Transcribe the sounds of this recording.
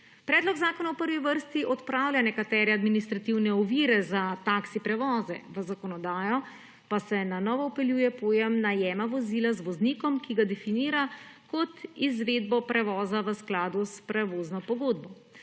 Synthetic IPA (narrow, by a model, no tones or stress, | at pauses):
pɾɛːd̪lɔɡzaːkɔnawpəɾʋiʋəɾst̪iʔɔt̪pɾaːwlʲjanɛkat̪ɛːɾɛad̪minist̪ɾat̪iwnɛɔʋiːɾɛzat̪aksipɾɛʋɔːzɛ̰ʋəzakɔnɔd̪aːjɔ | pasɛnanɔːʋɔːpɛljuːjɛpoːjɛmnajɛːmaʋɔziːlazʋɔzniːkɔmkiɡad̪ɛfiniːɾakɔt̪izʋeːd̪bɔpɾɛʋɔːzaʋəsklaːd̪uspɾɛʋoːznɔpɔɡoːd̪̚bɔ